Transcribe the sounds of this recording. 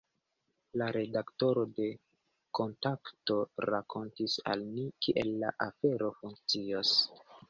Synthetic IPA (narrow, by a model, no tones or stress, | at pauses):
laɾe̞dakto̞ɾo̞de̞ | ko̞ntakto̞ɾakʰo̞ntisa̰lmikiʔe̞lːa̰ʔafe̞ɾo̞fuŋk̚t͡sios